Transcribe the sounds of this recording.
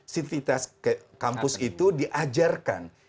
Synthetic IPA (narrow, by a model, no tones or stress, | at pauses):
sit̪it̪askə | kampʊsit̪udiʔad͡ʒarka̰n